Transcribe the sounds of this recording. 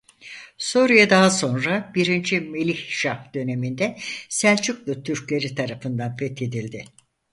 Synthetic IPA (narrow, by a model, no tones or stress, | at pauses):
soɾijad̪aɦaso̞nɾabiɾind͡ʒime̞lʲiçʃad̪̥ø̞ne̞mind̪ɛsælʲt͡ʃʰyklˠut̪ʰyɾclʲe̞ɾit̪ʰaɾafɯnd̪anfɛt̪ʰe̞d̪ilʲd̪ɪ